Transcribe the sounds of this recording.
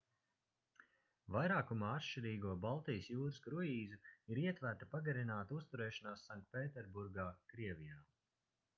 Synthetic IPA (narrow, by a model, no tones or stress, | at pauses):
vajɾaːkumaːat̪ʃt͡ʃiɾiːɡuɔbalˠt̪ijəsjuːɾɨskɾujiːzuiɾiɛt̪væɾt̪apaɡɐɾinaːt̪ust̪uɾɛːʃanaːsːaŋk̚t̪̚peːt̪ɛɾbuɾɡaːkɾiɛvʲijaː